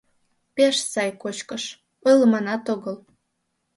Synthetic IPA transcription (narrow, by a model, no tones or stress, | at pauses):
peʃsɑjkot͡ɕkəʃ | əlmɑnɑt̪oɣəl